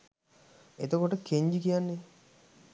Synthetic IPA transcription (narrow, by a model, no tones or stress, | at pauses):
ḛt̪okoʈokeɲd͡ʒikijanːe